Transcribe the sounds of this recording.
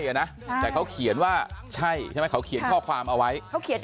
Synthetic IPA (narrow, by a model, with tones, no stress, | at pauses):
jʔa˨˩na˦˥ʔt̪ɛː˨˩kʰa˦˥wkʰi˨˩˦ə˦nwaː˥˩t͡ɕʰa˥˩jt͡ɕʰa˥˩˦jkʰa˦˥wkʰi˨˩˦nkʰɔː˥˩kʰwaː˧mʔa˧wa˦˥jʰa˦˥wkʰi˨˩˦n